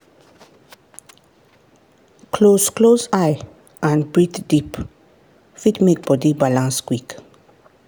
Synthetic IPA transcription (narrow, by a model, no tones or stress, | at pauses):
kʰlosklozaj | ʔãnbɹit̪dip | fitmek̚b̥ɔdibalãnskwik